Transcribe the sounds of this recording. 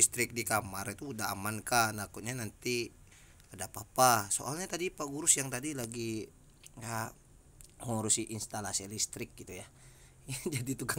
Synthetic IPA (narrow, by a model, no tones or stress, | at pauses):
list̪ɾɪk̚dikamarit̪uːdaa̰mankanakut̪̚ɲanant̪i | adapapaso̰ʔalɲat̪adipaɡuɾʊsjaŋt̪adilaɡi | ja | hɔɾusiʔinst̪alasialist̪ɾɪk̚ɡit̪uja | jad͡ʒadit̪uka